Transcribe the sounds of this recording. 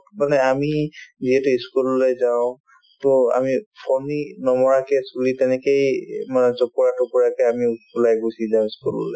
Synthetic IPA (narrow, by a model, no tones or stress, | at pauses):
manɛamiziɦɛtʊiskullejzaʊ̃ | tʊa̰mipʰɔninɔmɔɹakɛsulitɛnɛkejmanɛzɔkuɹatɔkuɹakɛamiulajɡosizaʊ̃iskul̰lɛ